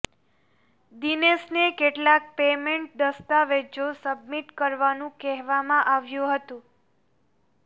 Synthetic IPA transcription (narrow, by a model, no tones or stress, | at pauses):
d̪inesnekeʈlak̚pemẽɳʈ̚d̪əst̪aʋed͡ʒosəbmiʈkəɾʋanũkɛɦʋamãʔaʋjũɦət̪ũ